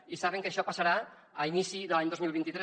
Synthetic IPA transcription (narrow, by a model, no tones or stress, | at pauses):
isaβ̞eŋkeʃɔpasaɾa | ainisiðəlaɲd̪ozmilβent̪it̪ɾe